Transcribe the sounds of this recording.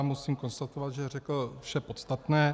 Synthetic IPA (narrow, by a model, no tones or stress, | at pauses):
musiːmko̞nst̪at̪ovad̪ʒɛrɛkl̩fʃɛpo̞t̪st̪at̪nɛː